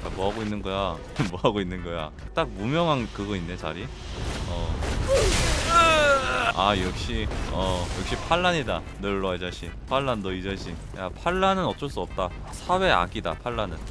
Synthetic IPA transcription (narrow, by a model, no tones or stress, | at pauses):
jamʌɦaɡoinːɯnɡʌja | mwʌɦaɡoinːɯnɡʌja̰ | t͈ak̚mumjʌŋɦankɯɡʌinːet͡ɕa̰ɾi | ʌ | ajʌk̚ɕ͈iʌjʌk̚ɕ͈ipʰaɭːaɲida | nɯɭːʌed͡ʑaɕʰipʰaɭːanːʌid͡ʑaɕʰi | japʰaɭːanɯnʌt͡ɕ͈ʌɭs͈uʌp̚t͈a | sʰawe̞a̰ɡida̰pʰaɭːanɯn